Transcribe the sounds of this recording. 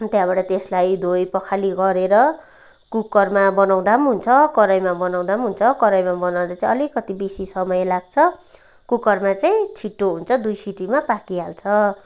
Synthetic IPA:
t̪jãbaʈat̪eslajd̪ʱojpʌkʰaliɡʌɾeɾʌ | kukʌrmabʌnaw̃d̪amɦunt͡sʰʌkʌɾʌjmabʌnaw̃d̪amɦunt͡sʰʌkʌɾʌjmabʌnaw̃d̪at͡saĩʌlikʌt̪ibesisʌmʌjelaɡ̚t͡sʰʌ | kukʌrmat͡saj̃t͡sʰiʈːoɦunt͡sʰʌd̪ujsiʈimapakiɦalt͡sʰʌ

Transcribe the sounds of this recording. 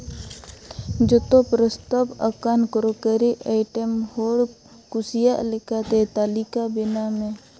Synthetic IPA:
d͡ʒət̪opɾəst̪abəkankɾokəɾiʔaːɪʈəmhoːɽ | kʊsijaʔlɪkat̪et̪aːlikabɪnamẽ

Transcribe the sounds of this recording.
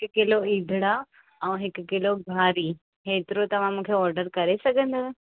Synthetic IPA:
ɦɪkʊkɪloiːd̪ʱɪɽa | ɛ̃ːɦɪkkɪloɡʱaːɾi | ɦeːt̪ɪɾot̪ɐʋ̤ãmũːkʰeɔːɾɖəɾkɐɾesɐɡʱə̃nd̪aː

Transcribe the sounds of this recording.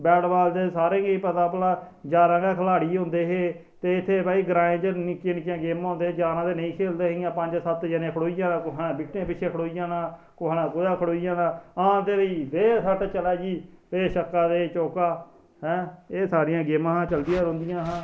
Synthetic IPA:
bɛːɽbaːld̪eːsaːɾẽːɡeiːpət̪ãːpəlaː | d͡ʒaːɾãːɡaːkʰəlaːɽiːɦõːnd̪eːɦeː | t̪eːɪt̪ʰːeːbaːiːɡɾãːẽːd͡ʒənɪkeːnɪkjãːɡeːmːɦõːnd̪eːd͡ʒaːɾãːt̪eːnəĩːkʰeːld̪eːɦɪjãːpəɲd͡ʒsət̪d͡ʒənẽːkʰəɽoːiːjãːnãːkʊɦnãːbiːʈːẽːpɪt͡ʃʰeːkʰəɽoːijãːnãː | kʊɦnãːkoːd̪ãːkʰəɽoːijãːnãːãt̪eːɾiːʋeːsaːʈːt͡ʃəlaːd͡ʒiːeːʃəkːaːd̪eːt͡ʃoːkaː | ɦɛ̃ːeːsaːɾɪjãːɡeːmãːɦãːt͡ʃəld̪ɪjãːɾõːnd̪ɪjãːɦãː

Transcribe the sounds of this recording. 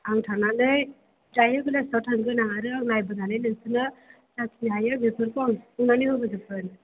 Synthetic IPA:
aŋtʰananɯj | dajɯɡɯlajsɔtʰaŋɡɯnaŋaɾɯaŋnajbɯɡ̪anɯjnɯsɯnɯ | sakʰiɦajɯbepʰɯɾkʰɔaŋunanɯhɯbɯɡɯpʰɯnɯ

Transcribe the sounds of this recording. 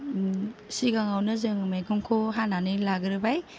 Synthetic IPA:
siɡaŋawnɯzɯŋmajkʰɔŋkʰoɦananɯlaɡɯɾɯbaj

